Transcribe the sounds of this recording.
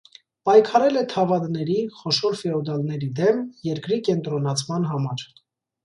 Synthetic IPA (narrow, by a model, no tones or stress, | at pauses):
pɑjkʰɑɾɛlɛt̪ʰɑvɑd̪nɛɾiχɔʃɔɾfɛɔd̪ɑlnɛɾid̪ɛmjɛɾkɾikɛnt̪ɾɔnɑt͡sʰmɑnɦɑmɑɾ